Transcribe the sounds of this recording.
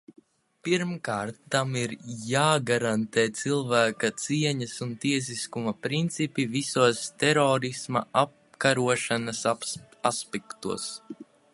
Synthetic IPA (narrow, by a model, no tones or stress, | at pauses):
piɾmkaːɾt̪ːamiɾjaːɡaɾant̪eːt̪silˠvæːkɐt̪siɛɲɐsunt̪iɛs̬iskumɐpɾint̪sipivisuɔst̪ɛɾɔːɾisma̰ap | kaɾuɔʃanɐs | aspɛkt̪uɔs